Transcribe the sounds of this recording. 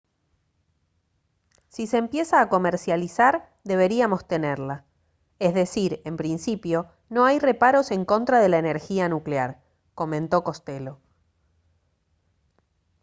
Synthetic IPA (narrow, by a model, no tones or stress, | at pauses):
sise̞ːmpje̞saːko̞meɾsjalisaɾ | d̪e̞β̞e̞ɾiamo̞st̪e̞neɾla | ezðe̞siɾe̞mpɾinsipjo̞ | no̞ajre̞paɾo̞se̞ŋko̞nt̪ɾaðe̞laene̞ɾxianukleaɾ | ko̞mẽ̞nt̪o̞ko̞st̪elo̞